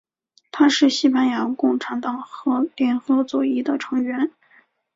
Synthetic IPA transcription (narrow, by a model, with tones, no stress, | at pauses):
t̪ʰa˥ʂɻ̩˥˧ɕi˥˧pa˥˩njɑ˧˥ŋkʊ˥˩ŋʈ͡ʂʰa˧˥nt̪ɑ˨˩ŋxɤ˧˥ljɛ˧˥nxɤ˧˥t͡swɔ˨˩i˥d̪ə˨ʈ͡ʂʰɤ˧˥ŋɥɛ˧˥n